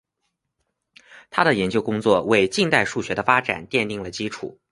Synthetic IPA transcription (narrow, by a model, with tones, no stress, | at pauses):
t̪ʰa˥d̪ə˨jɛ˧˥nt͡ɕjo˥ʊkʊ˥ŋt͡swɔ˥˩we˥˧ɪt͡ɕi˥˧ŋt̪a˥˧ɪʂu˥˩ɕɥɛ˧˥d̪ə˧fa˥ʈ͡ʂa̰˨˩nt̪jɛ˥˧nt̪i˥˩ŋlə˩t͡ɕi˥ʈ͡ʂʰṵ˨˩˦